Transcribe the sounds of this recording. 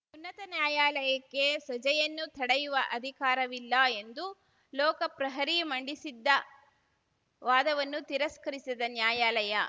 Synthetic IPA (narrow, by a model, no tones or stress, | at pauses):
unːɐt̪ɐnjaːjaːlɐjɐkːe̞sɐd͡ʒɐjɐnːut̪ʰɐɽɐjuʋɐʔɐd̪ʱikaːɾɐʋilːɐe̞nd̪u | lɔːkɐpɾɐɦɐɾimɐɳɖisid̪ːɐ | ʋaːd̪ɐʋɐnːut̪iɾɐskɐɾisid̪ɐnjaːjaːlɐjɐ